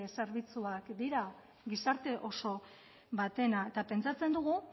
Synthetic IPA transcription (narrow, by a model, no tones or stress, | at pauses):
se̞ɾβit͡suakd̪iɾa | ɡisaɾt̪e̞ʔo̞so̞ | βat̪e̞naet̪ape̞nt͡sat͡se̞nd̪uɣ̞u